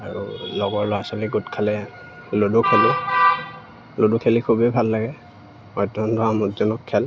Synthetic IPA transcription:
a̰ɹṵlɔɡɔɹlɔasɔlɛɡutkʰalɛ | lodukʰeli | lodukʰelikʰubɛbʱalːaɡɛ | ɔjtːɔndɔamɔdzɔnɔkʰːɛl

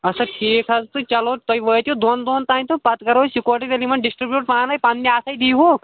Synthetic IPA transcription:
ɐsɐʈʰiːkʰɐst̪ɨt͡ʃɐlot̪ojʋəːjt̪jud̪oːnd̪oːnt̪aːnt̪ʰupɐt̪kɐɾoːsikoːɾʈiɾelimɐnɖisʈɾibjuːʈ̚pãːnlɐjpanːiaːsɐjd̪ijɦu

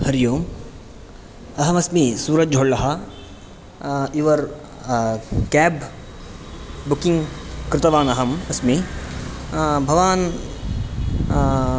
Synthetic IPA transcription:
hɐɾjoːm | ɐɦɐmɐsmisuːɾɐt̪̚d͡ʒʱoːɭlɐɦɐ | iʋɐɾ | kɛːb | bukiŋɡkɾɪt̪ɐʋaːnɐɦɐmɐsmi | bʱɐʋaːn

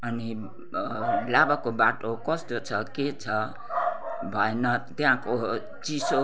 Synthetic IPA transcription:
ʌni | labakobaʈokʌst̪ot͡sʰʌket͡sʰʌ | bʱʌenʌt̪jãko | t͡siso

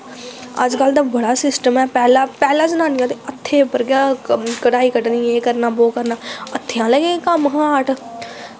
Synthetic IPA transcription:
ə̰d͡ʒkəld̪aːbəɽaːsɪsʈəmɛːpɛːlaːpɛːlãːd͡ʒənãːnɪjãt̪eət̪ʰːeːpəɾɡjaːkəʈaːiːkəʈniːeːkəɾnaːboːkəɾnaːət̪ʰːejãːləɡeːkəmɦaːʈ

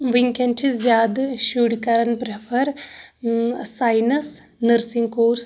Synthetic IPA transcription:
ʋiŋkɐnt͡ʃʰizjaːd̪ʃuːɽkɐɾɐnpɾefʰɐɾ | sajnɐs | nɨɾsiŋkoːɾs

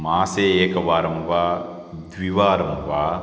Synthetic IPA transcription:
maːseːeːkɐʋaːɾɐmʋaː | d̪ʋiʋaːɾɐmʋaː

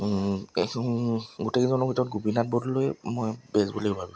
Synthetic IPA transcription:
ɡotekzɔnɔbʱitɔɔt̚ɡubinat̚bɔdlojmojbɛzboleɡbʱabi

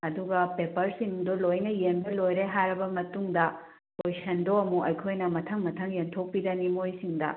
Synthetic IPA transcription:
ɐduɡɐpepɐɾsiŋdolojnɐjenbɐlojɾeɦaɾɐbɐmɐtuŋdɐ | tojsɐndoɐmuʔɐjkʰojnɐmɐtʰɐŋmɐtʰɐŋjentʰok̚pidɐnimojsiŋdɐ̰

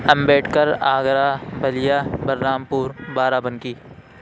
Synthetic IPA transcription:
ɐmbeːʈʰkɐɾaːɡɾaːbʱɐlɪjaːbɐɾnaːmpuːɾbaːɾaːbɐ̃nkiː

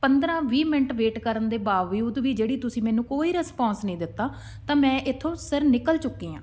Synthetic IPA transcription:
pənd̪ɾãːʋiːmɪnəʈʋeːʈkəɾənd̪eːbaːʋiːʊd̪ʋiːd͡ʒeːɽiːt̪ʊsĩːmɛːnũːkoːiːɾəspɔ̃ːnsnəĩːd̪ɪt̪ːaː | t̪ãːmɛ̃ːʔɪt̪ʰːõːsəɾnɪkəlt͡ʃʊkːiːã̰ː

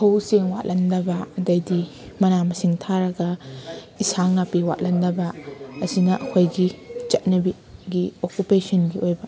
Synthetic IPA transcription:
hʰɐwseŋwa̰t̚lʔɐndɐbɐɐdɐjdi | mɐnamɐsiŋtʰaɾɐɡɐ | isaŋnapiwa̰t̚lɐndɐbɐɐzinɐʔɐkʰojɡit͡ʃɐt̚nɐbi | ɡiokupesɐnɡiojbɐ

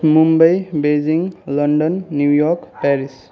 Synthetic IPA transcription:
mumbəjbed͡ʒiŋlʌɳɖʌnːjujɔkpɛɾis

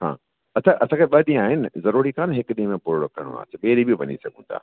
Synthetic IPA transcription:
ɦã̰ː | ɐsãʔɐsãːkʰeɓɐɗĩaːɦɪnɪzɐɾuːɾikʰaːnɦɪkɗĩːmẽpʊɾɽokʰɐɽ̃ṵ̃a̰ːsɓeːɾibijoʋɐ̰ɲḭsɐɡʱũːnd̪a̰ː

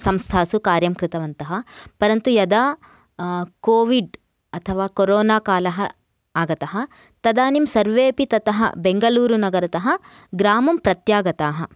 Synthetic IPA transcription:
sɐmst̪ʰaːsukaːɾjɐmkɾɪt̪ɐʋɐnt̪ɐɦɐ̆pɐɾɐnt̪ujɐd̪aː | koːʋiɖ | ɐt̪ʰɐʋaːkoɾoːnaːkaːlɐɦɐ | aːɡɐt̪ɐɦɐ̆ | t̪ɐd̪aːnimsɐɾʋeːpit̪ɐt̪ɐɦɐ̰beŋɡɐluːɾunɐɡɐɾɐt̪ɐɦɐ̆ | ɡɾaːmɐmpɾɐt̪jaːɡɐt̪aːɦɐ

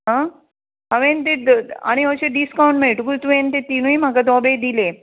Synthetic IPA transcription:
ɦã | aʋẽnt̪̬ed̪a̰ɽ̃iəɕeɖiskawɳʈmeʈuɡut̪uẽnt̪et̪inuimakad̪ɔbed̪ile

